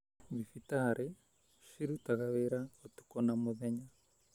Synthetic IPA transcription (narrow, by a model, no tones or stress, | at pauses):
βifitaɾɛ | ʃiɾutaɣaβɛɾaɔtu̥kɔnamɔðɛɲa